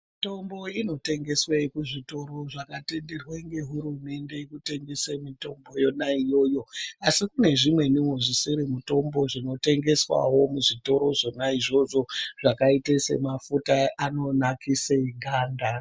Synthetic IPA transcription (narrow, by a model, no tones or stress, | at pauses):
mito̞mbo̞ino̞te̞ŋɡe̞swekuʐito̞ɾo̞ʐakate̞nderweŋɡe̞ɦuɾume̞nde̞ikuteŋɡesemito̞mbo̞jo̞naijo̞ːjo̞asikune̞ʐimwe̞niwoʐisiɾimuto̞mbo̞ʐino̞te̞ŋɡe̞swa̰wo̞muʐito̞ɾo̞ʐo̞naiʐo̞ʐo̞ʐakaitese̞̰mafutaʔano̞nakiseɡʱaːnda